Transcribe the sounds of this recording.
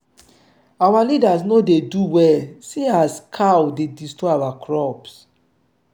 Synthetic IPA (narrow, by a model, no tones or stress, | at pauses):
awalidasnodeduwɛlsiaskʰawdedistɹɔawakɹɔps